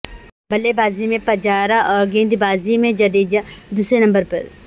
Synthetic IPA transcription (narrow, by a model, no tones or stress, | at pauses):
bɐlebaːzimẽpɐd͡ʒaːɾaʔɔːɾɡẽːnd̪baːzimẽd͡ʒɐd̪iːd͡ʒad̪uːsɾenɐ̃mbəɾpɐ̰ɾ